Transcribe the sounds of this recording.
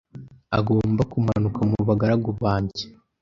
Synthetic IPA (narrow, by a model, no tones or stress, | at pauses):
a̰ɡo̞ːmbakumanukamuuβaɡaɾaɡuβaːɲɟe̥